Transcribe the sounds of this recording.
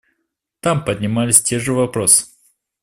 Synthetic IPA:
t̪ampədʲnʲɪmalʲɪsʲtʲe̞ʐɨvɐpɾosɨ̥

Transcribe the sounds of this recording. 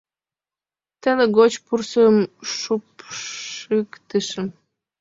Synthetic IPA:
t̪ənə̆ɣot͡ɕpursəmʃup | ɨkt̪əʃə̆

